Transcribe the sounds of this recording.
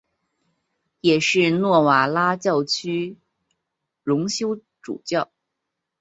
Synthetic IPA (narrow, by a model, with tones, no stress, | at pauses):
jɛ˨˩ʂɻ̩˥˧nwɔ˥˩wa˨˩la˥t͡ɕjɑ˥˩ʊt͡ɕʰy˥ | ɻʊ˧˥ŋɕjo˥ʊ | ʈ͡ʂṵ˨˩t͡ɕjɑ˥˩ʊ